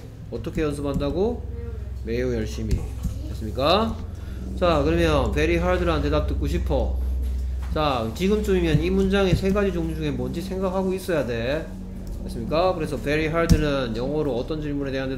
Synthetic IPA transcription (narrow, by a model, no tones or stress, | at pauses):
ʌt͈ʰʌkʰe̞jʌns̬ʰɯbandaɡo | me̞jujʌɭɕ͈imḭmas͈ɯmɲik͈a | t͡ɕakɯɾʌmjʌnpe̞ɾiɦaɭdɯɾante̞dat͈ɯk͈oɕʰipʰʌ | t͡ɕat͡ɕiɡɯmt͡ɕ͈umimjʌnimund͡ʑaŋesʰe̞ɡad͡ʑid͡ʑoŋd͡ʑuŋe̞mʌnd͡ʑisʰe̞ŋɡak̚haɡois͈ʌjade̞ | mas͈ɯmɲik͈akɯɾe̞sʰʌpe̞ɾiɦaɭdɯnɯnjʌŋɦʌɾoʌt͈ʌnt͡ɕiɭmune̞teɦande